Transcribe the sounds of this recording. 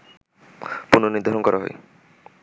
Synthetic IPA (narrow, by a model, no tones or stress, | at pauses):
punoniɾd̪ʱaɾonkɔɾaɦɔ̰j